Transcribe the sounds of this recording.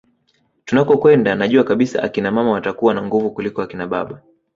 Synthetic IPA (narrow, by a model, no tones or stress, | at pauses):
tunakɔkwɛndanaʄuakaɓisa̰ʔa̰kinamamawatakuwanaŋɡuvukulikɔakinaɓa̰ɓa